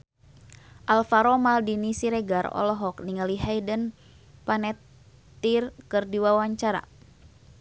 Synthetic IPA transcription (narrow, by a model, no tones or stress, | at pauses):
ʔalfaɾɔmaldinisiɾɛɡarɔ̰lɔɦɔk̚niŋəliɦaidən | panɛt̪ː | irkɨrdiwawaɲt͡ʃaɾa̰